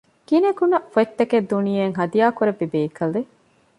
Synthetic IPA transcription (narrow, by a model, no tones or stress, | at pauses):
kineɡunɐʔfoet̪ːɐked̪ːunijeŋɦɐd̪ijaːkuɾeʋːibeːkʰɐle